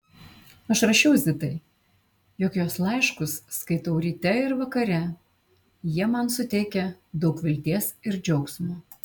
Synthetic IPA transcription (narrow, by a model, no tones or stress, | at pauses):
ɐʃɾɐʃʲɛʊzʲɪt̪ɐɪ | joːkjoːslˠɐɪʃkʊsːkɐɪt̪ɐʊɾʲiːt̪ʲɛɪɾʋɐkɐɾʲɛ | jiɛmɐnsʊt̪ʲɛɪkʲɛd̪ɐʊkʋʲɪlʲt̪ʲiɛsɪɾd͡ʒʲɛʊksmo